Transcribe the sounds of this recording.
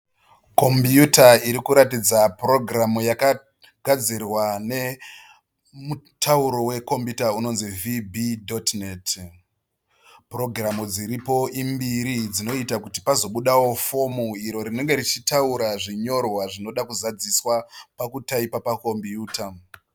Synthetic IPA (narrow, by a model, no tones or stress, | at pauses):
ko̞mbjutaiɾikuɾatid͡zapro̞ɡramujaka | ɡʱad͡zirwane̞ | mutʰauɾo̞we̞ko̞mbjutauno̞nzivibidotnet | pro̞ɡramud͡ziɾipo̞ʔimbiɾid͡zino̞itakuti̥pazo̞ɓuɗawo̞fo̞muiɾo̞ɾine̞ŋɡe̞rit͡ʃitauɾaʐiɲo̞rwaʐino̞ɗakuzad͡ziswapakutaipapako̞mbjuːta